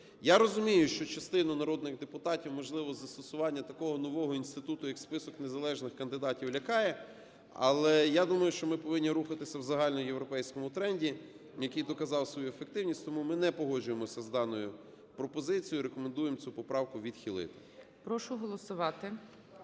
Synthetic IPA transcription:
jaɾɔzʊmʲijʊʃt͡ʃɔt͡ʃɐst̪ɪnɐnɐɾɔd̪nɪɣd̪epʊt̪ɑtʲiwmɔʒlˠɪʋɔzɐst̪ɔsʊʋɑnʲːɐt̪ɐkɔɦɔnɔʋɔɦɔinst̪ɪt̪ut̪ʊjɐkspɪsɔknezɐlˠɛʒnɪxkɐnd̪ɪd̪ɑtʲiwlʲɐkɑjɛ | ɐ̰lˠɛjad̪umɐjʊʃt͡ʃɔmɪpɔʋɪnʲːiɾuxɐt̪ɪsʲɐwzɐɦɑlʲnɔmjewɾɔpɛjsʲkɔmʊt̪ɾɛnʲdʲi | jɐkijd̪ɔkɐzɑwsʋɔjuefek̚t̪ɪwnʲisʲt̪ɔmumɪnɛpɔɦɔd͡ʒʊjemɔsʲɐzd̪ɑnɔjʊ | pɾɔpɔzɪt͡sʲijʊɾekɔmend̪ujemt͡sʲupɔpɾɑwkʊʋʲid̪xʲilˠɪ̰t̪ɪ̥ | pɾɔʃʊɦɔlˠɔsʊʋɑt̪ɪ

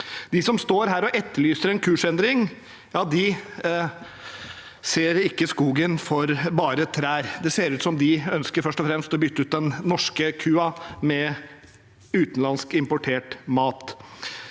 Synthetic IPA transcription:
d̪ɪsɔmst̪oːɾɦæːɾɔʔɛt̪ːəɭyːsəɾɛnkʰʉːʂɛnd̪ɾɪŋ | jɑːd̪ɪ | seːɾɪkːəskuːɡənfɔɾbɑːɾət̪ʰɾæːɾd̪ɛseːɾʉːt̪sɔmd̪ɪœnskəɾfœʂʈɔfɾɛmst̪ɔbʏt̪ːʉːd̪ɛnːɔʂkəkʰʉːɑmɛ | ʉːt̪n̩lɑnskɪmpʊʈʰeːʈmɑːt̪

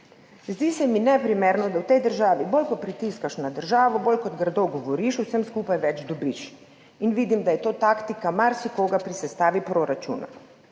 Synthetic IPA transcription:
zd̪iːsɛminɛpɾimeːɾnɔd̪awt̪ɛjd̪əɾʒaːʋiboːlʲkɔt̪̚pɾit̪iskaʃnad̪əɾʒaːʋɔboːlʲkɔd̪ɡɾd̪ɔwɡɔʋɔɾiʃusɛmskuːpajʋɛd͡ʒd̪ɔbiʃ | inʋid̪imd̪ajɛt̪oːt̪aːkt̪ikamaɾsikoːɡapɾisɛst̪aːʋipɾoːɾat͡ʃṵːna̰

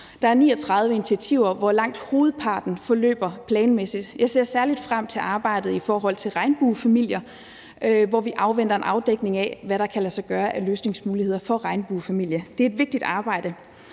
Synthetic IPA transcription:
d̥ɑ̈æɐnḭːɒt͡sʰʁɑ̈ð̞ˠʋəinit͡sʰiæt͡sʰiʊ̰ɐʋɒlɑ̈ŋ̰d̥ho̝ːð̩ˠpʰɑ̈ːd̥n̩fɒ̽lø̰ːb̥ɐpʰlɛːnmesid̥jɑ̈ɪse̝̰ɐ̰sæɐlid̥fʁam̰t͡sʰe̝lʔɑ̈ːb̥ɑ̈ɪ̰d̥ð̩ˠifɒːɦɒ̽l̰t͡sʰe̝lʁɑ̈ɪnb̥uːfæmil̰jɐ | ʋɒʋiʔɑ̈ʊʋen̰d̥ɐe̝nʔɑ̈ʊd̥eɡ̥ne̝ŋæʋæɾɑ̈kʰælæsɑ̈ɪɡ̥ɶːɐʔæløːsne̝ŋsmuːlihe̝ð̞̰ˠɐfɒ̽ʁɑ̈ɪnb̥uːfæmil̰jɐd̥e̝æɐe̝d̥ʋe̝ɡ̥̚d̥id̥ɑ̈ːb̥ɑ̈ɪ̰ɾ̥ə

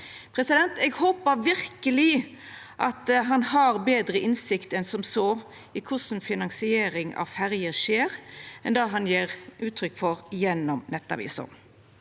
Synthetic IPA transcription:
pʰɾɛsɪd̪ɛnt̪ɛɡhoːpəɾʋɪɾkəlɪ | ʔɑt̪ɦɑnhɑɾbeːd̪ɾəʔɪnsɪkt̪ɛnsɔmsoː | ɪkʰʊsnfɪnɑŋsɪeːɾɪŋɑ̰fæɾjəʂeːʁʔɛnd̪ɑːɦɑnjeːʁʔʉːt̪ʰɾʏkːfɔɾjɛnːɔmnɛt̪ːɑ̰ʋḭːsʊ̰m

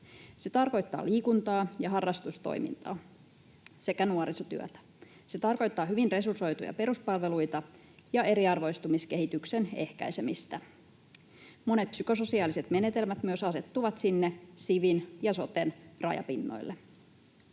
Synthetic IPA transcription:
se̞t̪ɑrko̞jt̪ːɑ̰ːliːkunt̪ɑːjɑɦɑrːɑst̪ust̪o̰jmḭnt̪ɑ̰ː | se̞kænuoɾisot̪yø̰t̪æ̥ | se̞t̪ɑrko̞jt̪ːɑːɦyʋinre̞surso̞jt̪ujɑ̰pe̞ɾuspɑlʋe̞lujt̪ɑ | jɑe̞ɾiɑrʋo̞ist̪umiske̞ɦit̪yksene̞̰hkæ̰jse̞mist̪æ | mo̞ne̞t̪̚psyko̞so̞siɑːlise̞t̪me̞net̪e̞lmæt̪myøsɑse̞t̪ːuʋɑt̪sinːesiʋinjɑso̞t̪enrɑ̰jɑ̰pinːo̰jlːe

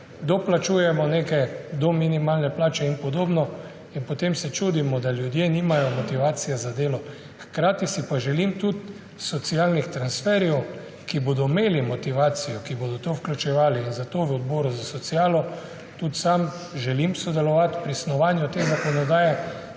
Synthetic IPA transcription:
d̪ɔplat͡ʃuːjɛmɔneːkɛd̪ɔminimaːlnɛplaːt͡ʃɛinpɔd̪oːbnɔ | inpɔt̪emsɛt͡ʃud̪imɔd̪aljud̪jeːnimajɔmɔt̪iʋaːt̪sijɛzad̪eːlɔ | xkɾaːt̪isipaʒɛlimt̪ut̪ | sɔt̪sialnixt̪ɾansfɛːɾjɛw | kibod̪ɔmeːlimɔt̪iʋaːt̪sijɔkiboːd̪ɔt̪owklʲut͡ʃɛʋaːliːnzat̪oʋɔd̪̚bɔːɾuzasɔt̪sijaːlɔ | t̪ut̪sam | ʒɛlimsɔd̪ɛlɔʋat̪pɾisnɔʋaːnjut̪eːzakɔnɔd̪aːjɛ

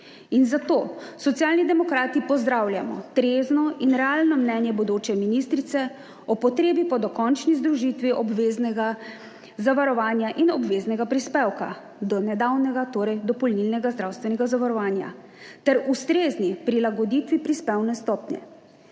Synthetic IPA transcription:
inzat̪oːsɔt̪sjaːlnid̪ɛmɔkɾaːt̪ipɔzd̪ɾawlja̰mɔ̰t̪ɾeznɔinɾɛaːlnɔmnɛnjɛbɔd̪oːt͡ʃɛminist̪ɾit̪sɛ | ɔpɔt̪ɾeːbipɔd̪ɔkɔnt͡ʃnizd̪ɾuʒit̪ʋiʔɔbʋeznɛɡa | zaʋaɾɔʋaːnjaʔinɔbʋeːznɛɡapɾispewka̰ | d̪ɔnɛd̪awnɛɡat̪oːɾɛjd̪ɔpɔlnilnɛɡazd̪ɾawst̪ʋɛnɛɡazaʋaɾɔʋaːnja̰ | t̪ɛɾust̪ɾeːznipɾilaɡɔd̪iːt̪ʋipɾispɛwnɛst̪ɔːpnjɛ̰

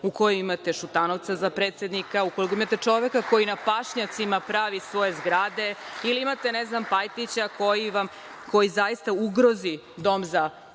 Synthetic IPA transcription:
uko̞joimat̪eʃut̪anoʋt̪sazapɾe̞ːt̪sjed̪nikauko̞likoimat̪e̞t͡ʂo̞ʋekako̞jinapaʃɲat̪simapɾaːʋisʋo̞je̞zɡɾaːd̪e̞iliimat̪eneznampajt̪it͡ɕako̞jiʋam | ko̞jizajist̪auɡɾozi | d̪o̞mza

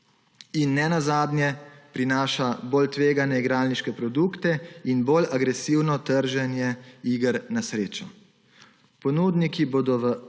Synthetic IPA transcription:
inːɛnazaːd̪nʲjɛpɾinaːʃaboːlt̪ʋeːɡanɛiɡɾaːlniʃkɛpɾɔd̪ukt̪ɛinboːlaɡɾɛsiwnɔt̪əɾʒɛnjɛiːɡəɾnasɾeːt͡ʃɔ | pɔnuːd̪nikiboːd̪ɔʋə

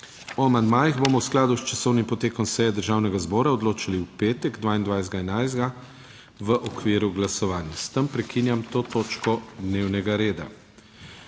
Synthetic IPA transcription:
ɔamand̪maːjiɣbomɔwsklaːd̪ust͡ʃasɔwnimpɔt̪eːkɔmsɛjɛd̪əɾʒaːwnɛɡazbɔːɾaɔd̪loːt͡ʃaliwpeːt̪ɛɡd̪ʋaːind̪ʋajzɡaɛnajzd̪ɡa | ʋəʔɔkʋiːɾuɡlasɔʋaːnjast̪əmpɾɛkinjamt̪oːt̪oːt͡ʃkɔd̪newnɛɡaɾeːd̪a̰

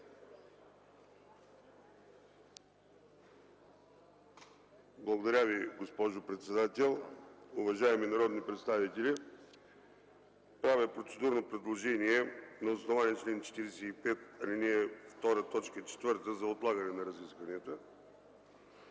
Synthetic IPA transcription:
blˠəɡod̪ɐɾʲaviɡospɔʒopɾɛt̪sɛd̪at̪ɛlˠʊvɐʒaɛminɐɾɔd̪nipɾɛt̪st̪avit̪ɛlʲi | pɾavɛpɾot̪sɛd̪uɾnopɾɛd̪lˠoʒɛniɛnɐosnovanʲit͡ʃlɛnt͡ʃɛ̥t̪iɾɛsɛipɛt̪ɐlʲinɛɛft̪ɔɾət̪ɔt͡ʃkət͡ʃɛ̥t̪vəɾt̪əzɐot̪lˠaɡənɛnɐɾɐziskvənɛt̪ə

